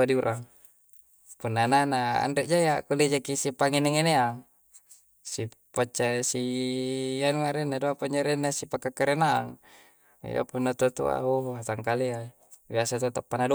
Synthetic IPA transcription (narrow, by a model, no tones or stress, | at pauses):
adiuɾʔaŋ | punːananaa̰ndɛʔd͡ʒajakuled͡ʒakisipaŋeneŋeneaŋ | si | pat͡ʃːasi | januaɾenːadoapaɲd͡ʒaɾenːasipakːakːaɾena̰ːŋ̰ | ja̰punːat̪ot̪ṵa̰oat̪aŋkalea | biasat̪uat̪apːanado